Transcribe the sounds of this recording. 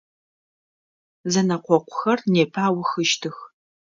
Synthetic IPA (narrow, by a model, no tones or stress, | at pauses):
zɐnɐqʷɔqʷʊxɐrneːpʰaːwxɨʃtʰɨx